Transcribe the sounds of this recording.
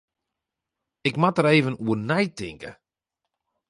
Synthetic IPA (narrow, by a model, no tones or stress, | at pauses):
ɪkmatəɾeːvənuənɛjtɪŋkə̰